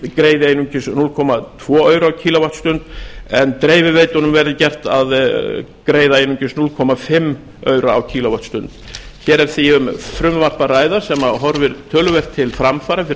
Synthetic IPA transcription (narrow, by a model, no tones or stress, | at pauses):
kɾeːjðɪejnʏɲcʏsnulkʰɔmat̪ʰvɔːœːɥɾawcʰiːlavart̪st̪ʏnt̪ɛnt̪ɾeːjvɪveːjt̪ʏnʏmvɛɾðɪcɛr̥t̪aðkɾeːjðaejnʏɲcʏsnulkʰɔmafɪmː | œɥɾaa̰wcʰiːlavart̪st̪ʏnt̪ | çɛːɾɛɾ̥θiʏmfɾʏmvar̥paɾaːjðaɾ̥sɛmaɦɔɾvɪɾt̪ʰœːlʏvɛr̥t̪ʰːɪlfɾamfaːɾafɪ